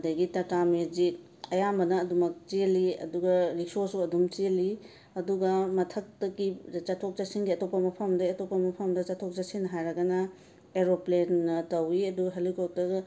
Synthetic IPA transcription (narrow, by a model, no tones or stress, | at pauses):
dɐɡitɐkamezi | ɐjambɐnɐːdumɐk̚t͡ʃiliɐ̰duɡɐɾiksosuɐdumt͡ʃili | ɐduɡɐmɐtʰɐk̚tɐɡit͡ʃɐtʰok̚t͡ʃasiŋɡiɐtopːɐmɐpʰɐmdɐɐtopːɐmɐpʰɐmdɐt͡ʃɐtʰok̚t͡ʃasiŋnɐɦajɾɐɡɐnɐ | eɾoplenːɐtɐwiɐduɡɐɦelikop̚tɐɡɐ